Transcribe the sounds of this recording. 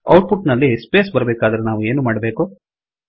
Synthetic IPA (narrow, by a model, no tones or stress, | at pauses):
ɐ̰wʈpuʈnɐlːispeːsbɐɾɐbeːkaːd̪ɐɾenaːʋue̞ːnumaːɽɐbeːku